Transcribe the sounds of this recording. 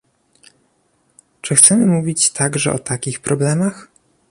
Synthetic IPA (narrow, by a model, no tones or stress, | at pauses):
t͡ʂɘxt̪sɛmɘmuvʲit͡ɕt̪ʰaɡʐɛ̰ʔɔ̰t̪akʲixpɾɔblɛmax